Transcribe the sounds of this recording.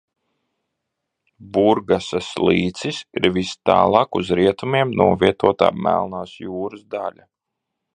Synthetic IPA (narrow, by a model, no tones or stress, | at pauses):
buɾɡasaslˠiːt̪sisiɾvist̪a̰ːlˠɑːkuzɾiɛt̪umiɛmnuɔviɛt̪uɔt̪a̰ːmæ̰lˠnaːsjuːɾɨsd̪alʲa